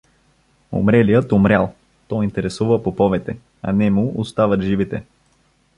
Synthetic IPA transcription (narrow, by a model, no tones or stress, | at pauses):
o̰mɾɛlijət̪omɾʲalˠ | t̪ɔint̪ɛɾɛsuvəpopɔvɛt̪ɛ | ɐ̰nɛmuʔost̪avət̪ʒivit̪ɛ